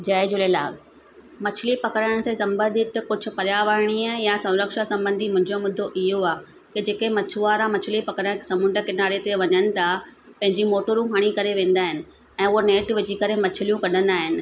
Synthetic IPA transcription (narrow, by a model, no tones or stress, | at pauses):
d͡ʑɐɪd͡ʑʊlelaːɡ | mɐt͡ɕʰɪlipɐkɾaɽ̃sẽsɐ̃mbə̃nd̪ɪt̪kʊd͡ʑʱʊ̆pɐɾjaːʋəɾɽ̃ijasɐ̃wɾəkʃasɐ̃mbə̃nd̪ʱimʊ̃ɦɪ̃ɲd͡ʑomʊd̪ʱːoʔɪɦoaː | kid͡ʑeːkemɐt͡ɕʰuʋaːɾãmɐt͡ɕʰɪlipɐkɾə̃sɐ̃mʊ̃ɳɖə̆kɪnaːɾet̪eʋɐɲənɪ̆t̪ʰapɐ̃ɦɪ̃ɲd͡ʑimoːʈəɾũɦaɽ̃ikɐɾeʋẽːn̆d̪aːɦɪnɪ̆ | ɛ̃ːʊɦoneːʈʋɪd͡ʑikɐɾemɐt͡ɕʰɪlijũkɐɗ̤ʱə̃nd̪aːɦɪnɪ̆